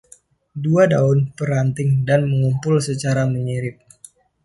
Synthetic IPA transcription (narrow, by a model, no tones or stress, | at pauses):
duadaʊnpəɾant̪ɪŋdanməŋumpʊlsət͡ʃaɾaməɲiɾɪp̚